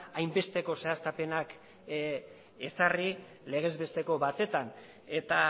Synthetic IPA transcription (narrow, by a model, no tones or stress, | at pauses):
ajmbe̞st̪e̞ko̞se̞ast̪ape̞nak | e̞sari | le̞ɣ̞e̞zβe̞st̪e̞ko̞βat̪e̞t̪an | e̞t̪a